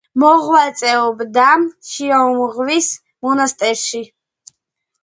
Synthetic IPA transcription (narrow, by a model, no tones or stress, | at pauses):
mɔʁwat̪sʼɛɔbd̪amʃiamʁwis | mɔnast̪ʼɛɾʃi